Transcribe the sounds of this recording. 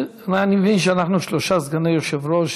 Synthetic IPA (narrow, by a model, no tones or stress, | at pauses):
nanimevinʃeanaχnuʃloʃazɡanejoʃevɾoʃ